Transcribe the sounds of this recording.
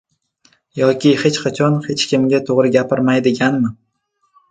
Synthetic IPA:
jɒkʲɪhe̞t͡ʃqʰɑt͡ʃʰɒnhe̞t͡ʃkʲʰɪmɡʲat̪ʰoʁɾɪɡʲapʰɪɾmajd̪ɪɡʲanmɪ

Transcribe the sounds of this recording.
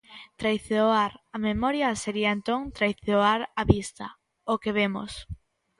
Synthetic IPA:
t̪ɾajθeoaɾamemɔɾjaseɾiaent̪oŋt̪ɾajθeoaɾaβist̪ɐ | okeβemo̰s

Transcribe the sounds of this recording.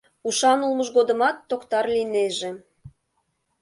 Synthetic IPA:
uʃɑnulˠmɤ̆ʒɣod̪ɤ̆mɑt̪ːokt̪ɑrlineʒe

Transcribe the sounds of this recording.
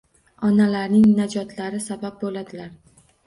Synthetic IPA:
ɒnalaɾnɪŋnad͡ʒɒt̪ʰlaɾɪsabap̚bolad̪ɪlaɾ

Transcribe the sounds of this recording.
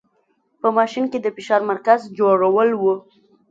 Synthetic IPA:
pəmɑʃinked̪əfɪʃɑɾmaɾkazd͡ʒoɽawəlwu

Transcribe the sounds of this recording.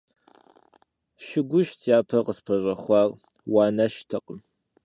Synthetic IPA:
ʃɪɡʷʊʃtʰjaːpʰɐqəspʰɐʑʷʼɐχʷɑːr | wɑːnɐʃtʰɐqəm

